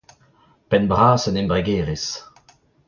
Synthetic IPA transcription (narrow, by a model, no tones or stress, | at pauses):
pɛnbʁaːsənɛmbʁɛɡeːʁes